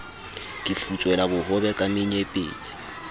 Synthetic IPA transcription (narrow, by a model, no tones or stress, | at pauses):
kʼɪfut͡sʼwɛlabʊhʊbɛkʼamɪɲepʼḛːt͡sʼi̥